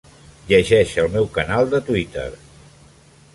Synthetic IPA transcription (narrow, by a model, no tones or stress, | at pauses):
ʎəʒɛʃəlˠmɛwkənalˠd̪ət̪wit̪ə̰ɾ